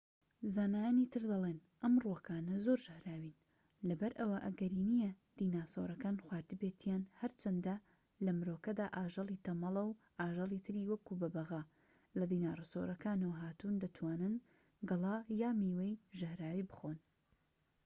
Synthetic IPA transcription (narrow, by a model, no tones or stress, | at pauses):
zaːnaːjanit̪ʰɨɾd̪ɐleːnʔɐmruwokaːnɐzoɾʒɐhɾaːwin | lɐbɐɾʔɐwɐʔɐɡɐɾiːnijɐ | d̪̥iːnaːso̰ɾɐkaːnxwaːɾd̪ɨbeːt̪ʰijaːnhɐɾt͡ʃʰɐnd̪ɐ | lɐmɾoːkɐd̪aːʔaːʒɐlˠiːt̪ʰɐmɐlˠɐw | ʔaːʒɐlˠiːt̪ʰɨɾiːwɐkubɐbɐɣa | lɐd̪iːnaːrɨso̰ɾɐkaːnɐwɐɦaːt̪und̪ɐt̪ʰwaːnɨn | ɡɨlˠɑːjaːmiːwejʒɐhɾaːwiːbɨxon